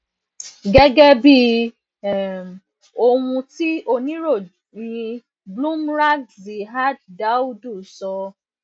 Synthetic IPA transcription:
ɡɛ˦ɡɛ˦bi˦˨ | o˧wũ˧ti˦ʔo˧nĩ˦ɾo˦˨ | nĩ˧ | blũ˦mɾa˦ɡzi˨ɦa˦d̚da˨˦u˦du˦˨sɔ˧

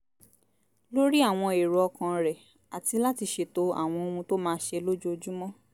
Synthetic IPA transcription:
lo˦ɾi˦a˦˨w̃ɔ̃˧e˨ɾɔ˨ɔ˧kã˧ɾɛ˨ | a˨ti˧la˦ti˧ʃe˨to˧a̰˨w̃ɔ̃˧o˧ũ˧to˦mãː˦˧˦ʃe˧lo˦d͡ʒu˦o˧d͡ʒu˦mɔ̃˦

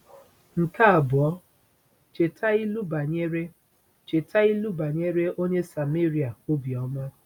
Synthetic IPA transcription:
ŋ̩˨ka˦a˨bʊ˨ɔ˦ | t͡ʃe˨tʰa˦i˦lu˦ba˨ɲe˦ɾe˦ | t͡ʃe˨tʰa˦i˦lu˦ba˨ɲe˦ɾe˦o˦ɲe˦sa˨me˦ɾi˨a˨o˦bi˨ɔ˦ma˦

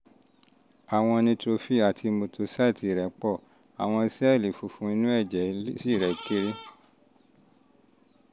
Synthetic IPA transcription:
a˨w̃ɔ̃˧nĩ˧to˧fi˦˨a˨tʰi˧mo˧to˧sa˦i˦˨ti˨˧˨ɾɛ˨˦k͡pɔ˦˨ | a̰˨w̃ɔ̃˧i˧sɛ˦˨li˨fu˧fũ˨˦i˧nũ˦ɛ˦˨d͡ʒɛ˨˦si˦˨ɾɛ˨ki˦ɾi˦

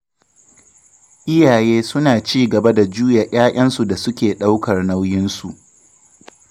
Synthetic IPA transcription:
ʔɪ˦jaː˨jeː˦sʊ˦naː˨t͡ʃiː˦ɡɐ˨ba˦da˨d͡ʒuː˦ja˨j̰aː˦ʔʲʼɐ˦nsu˨da˨sʊ˦kʲeː˨ɗa˦wkɐ˨rna˦wjɪ˦nsu˨ʔ

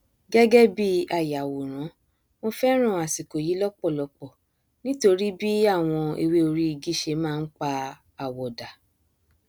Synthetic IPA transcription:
ɡɛ˦ɡɛ˦bi˦a˨ja˨wo˨ɾ̃ã˨˦ | mo˧fɛ˦ɾ̃ũ˦˨a˨si˨ko˨ji˨˦lɔ˦k͡pɔ˦˨lɔ˧k͡pɔ˦˨ | nĩ˦to˧ɾi˦bi˦a˦˨w̃ɔ̃˧ḛ˧we˦o˧ɾi˦i˧ɡi˦ʃe˧˦mãː˦˧n̩˦k͡pa˧ | a˨wɔ˨da˨

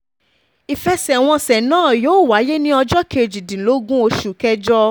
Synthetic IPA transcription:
i˨fɛ˧sɛ˨w̃ɔ̃˧sɛ˨nãː˦˨joː˨˦˨wa˨˦je˦nĩ˦ɔ˧d͡ʒɔ˦kʰe˧˨d͡ʒi˨dĩ˨lo˨˦ɡũ˦o˧ʃu˨kɛ˦d͡ʒɔ˦

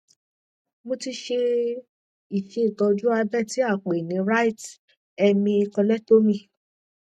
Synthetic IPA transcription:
mõ˧ti˧ʃe˧ | i˨fe˨˦i˨ɡɔ˨˧d͡ʒu˦a˧bɛ˦˨ti˨˦a˦˨k͡pe˨nĩ˨˦ɾa˦i˦˨t | ɛ˧mĩ˧i˧kɔ̃˧lɛ˦to˦mĩ˧˨

